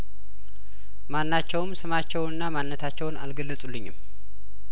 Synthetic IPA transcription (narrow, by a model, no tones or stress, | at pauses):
manːat͡ʃːɛwmsɨmat͡ʃːɛwnɨnːamanːət̪ʰat͡ʃːɛwna̰lɡəlːəsʼulːɨɲːɪ̰m